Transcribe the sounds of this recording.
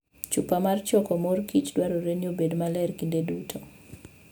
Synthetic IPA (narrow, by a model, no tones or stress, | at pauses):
t͡ʃupamart͡ʃɔkɔmorkit͡ʃdwaɾoɾeniobedmalɛrkindedutʰɔ